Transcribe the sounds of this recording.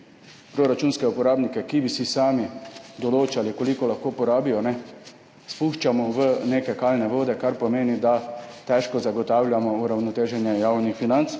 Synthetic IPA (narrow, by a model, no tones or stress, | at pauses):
pɾoːɾat͡ʃuːnskɛupɔɾaːbnikɛkibisisaːmid̪ɔloːt͡ʃalikolikɔlaxkoːpɔɾaːbijɔnɛ | spuʃt͡ʃamɔʋəneːkɛkaːlnɛʋoːd̪ɛkaɾpɔmeːnid̪at̪ɛʃkɔzaɡɔt̪aːwlʲjamɔuɾawnɔt̪eːʒɛnjɛjawnixfinant̪s